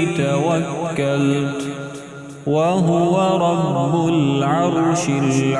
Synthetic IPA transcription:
t̪awakːalt̪ | waɦʊwaɾˤɑbːʊlʕɑɾˤʃɪl

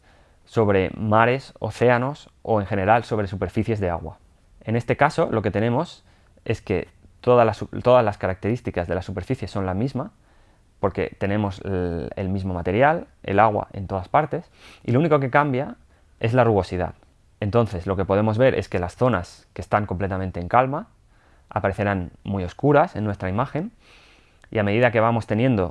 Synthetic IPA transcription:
so̞βɾe̞maɾe̞so̞̰θe̞ano̞so̞e̞ŋxe̞ne̞ɾalso̞βɾe̞supe̞ɾfiθje̞zðea̰ɣwa̰ | e̞ne̞st̪e̞kaso̞lo̞ke̞t̪e̞nẽ̞mo̞s | e̞ske̞ | t̪o̞ðalasut̪o̞ðazlaskaɾak̚t̪e̞ɾist̪ikazðe̞lasupeɾfiθje̞so̞nlamizma | po̞ɾke̞̰t̪e̞nẽ̞mo̞sḛlmizmo̞mat̪e̞ɾjal | e̞̰laɣ̞wa̰ʔe̞nt̪o̞ð̞aspaɾt̪e̞sḭlouniko̞ke̞kambja | e̞zlaruβ̞o̞siða̰ð | e̞nt̪o̞nθe̞zlo̞ke̞po̞ð̞e̞mo̞zβe̞ɾʔe̞̰ske̞lasθo̞naske̞st̪aŋko̞mple̞t̪amẽnt̪eŋkalma | a̰paɾe̞θe̞ɾanmujo̞skuɾase̞nːwe̞st̪ɾaimaxe̞n | ḭameðiðake̞β̞amo̞st̪e̞nje̞nd̪o̞̰

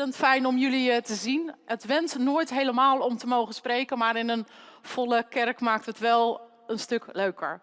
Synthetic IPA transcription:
əntfɛjnɔmjɵlitəzinətʋɛnsnoːjtɦejləmaːlˠɔmtəmowχənsprejkənmaɾɪnənv̥ɔlˠəkɛrkmaːk̚tɦətʋɛlˠ | ənstøkløɥkə̰ɹ

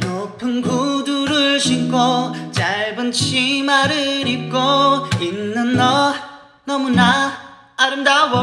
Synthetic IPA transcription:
nʌpʰɯnɡuduɾɯɭɕʰip̚k͈ot͡ɕaɭbɯnt͡ɕʰimaɾɯɾip̚k͈oinːɯnːʌ | nʌmuna | aɾɯndao

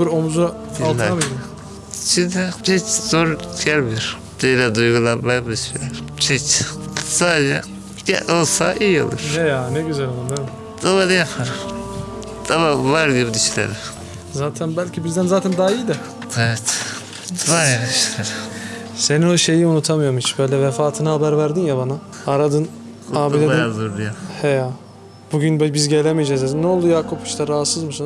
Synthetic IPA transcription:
iɾomuzu | alˠlʰaamid̪i | t͡ʃʰid̪ɛt͡ʃʰɛt͡ʃzoɾjælbjuɾ | d̪̥elɛd̪ujɡulˠaɾbajbɯd̪ʃilʲɛɾt͡ʃʰit͡ʃsaːd͡ʒɛ̰ | ɟɛ̰olˠsaʔijo̰lˠṵɾ̥nɛjanɛɟyzælmund̪emɪ | d̪̥aβad̪ajapʰaɾɯm | d̪̥ʰaβavaɾɡibid̪iʃlʲḛɾɪ | zaːt̪ʰænbælʲcʰibizd̪ænzaːt̪ʰænd̪aijd̪ɛ | evɛt̪ | vajad̪yʃleɾ | se̞nino̞ʃe̞jiunut̪ʰamɯjoɾmhit͡ʃb̥øjlʲɛvefaːt̪ʰɯnɯhabæɾvæɾd̪injabana | aɾad̪ɯn | aːbilʲeinazoɾd̪ujahejaː | b̥uɟynbbizɟe̞lʲemijd͡ʒɛzznɛolˠd̪ujaːkʰopi̥ʃt̪ʰaɾaɦat̪sɯzmusun

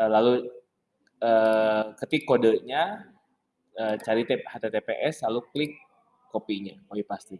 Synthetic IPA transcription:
lalu | əkət̪ikːodəʔɲa | ət͡ʃaɾit̪ehat̪et̪epeʔɛslaluklɪkː | opiɲaoipast̪i

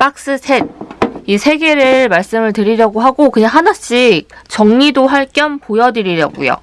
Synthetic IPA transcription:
pak̚s͈ɯsʰe̞t̚isʰe̞ɡe̞ɾɯɭmaɭs͈ɯmɯɭtɯɾiɾjʌɡoɦaɡokɯɲaŋɦanaɕ͈ik̚t͡ɕʌŋɲidoɸaɭk͈jʌmpojʌdɯɾiɾja̰ɡṵjo̰

